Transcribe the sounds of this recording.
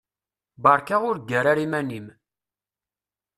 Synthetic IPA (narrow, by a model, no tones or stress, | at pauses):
bɑɾˤkaʁʊɾɡːæɾaɾimænim